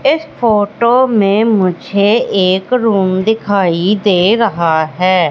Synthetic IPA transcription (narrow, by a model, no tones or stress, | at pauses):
ɪspʰoːʈoːmẽːmʊd͡ʒʱeːeːkɾuːmd̪ɪkʰaːid̪eːɾəɦaːɦɛː